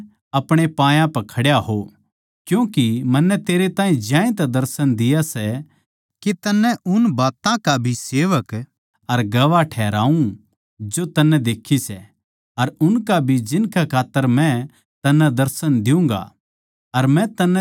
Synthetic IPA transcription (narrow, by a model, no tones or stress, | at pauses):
ɐpɽ̃epãːjãpɐkʰɐɽjaɦo | kjũːkimɐnːɛt̪eːɾet̪ãːĩd͡ʒjãːĩt̪ad̪ɐɾsənd̪ɪjasɛ | kit̪ɐnːɛ̃ʊnbaːt̪ãkabʱiseːʋək | ɐɾɡɐʋaʈʰɛːɾa̰ːũ | d͡ʒot̪ɐnːɛd̪eːkʰisɛ | ɐɾʊnkabʱid͡ʒɪnkakʰaːt̪ːəɾmɛ̃ | t̪ɐnːɛ̃d̪ɐɾsənd̪ɪũŋɡa̰ | ɐɾmɛ̃t̪ɐnːɛ